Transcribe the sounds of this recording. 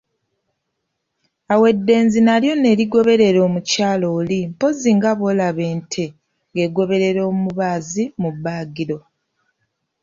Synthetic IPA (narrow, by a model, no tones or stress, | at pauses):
awe̞dːe̞ːnzinaljo̞ne̞ːɾiɡo̞βe̞ɾe̞ɾo̞ːmucaːlo̞ːlimpo̞ziŋɡaβo̞laβe̞ːntʰe̞ | ŋɡe̞ɡo̞βe̞ɾe̞ɾo̞ːmumuβazimubːaːɡiɾo̞